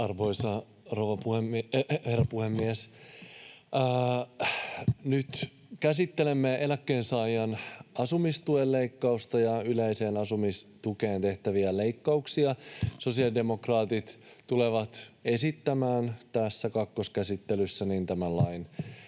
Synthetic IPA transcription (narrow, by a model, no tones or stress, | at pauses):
ɑrʋoisɑ | roʋɑpuhemherːɑpuhemːies | nyt̪ | kæsit̪ːe̞le̞mːeʔelækːeːnsɑːjɑnɑsumist̪uelle̞ikːɑust̪ɑjɑyleise̞ːnɑsumist̪ukeːnt̪e̞ht̪æʋiæle̞ikːɑuksiɑso̞siɑlde̞mo̞krɑːt̪it̪ | t̪uleʋɑt̪e̞sit̪ːæmæːnt̪æsːækɑkːoskæsit̪ːelysːænint̪æmællɑin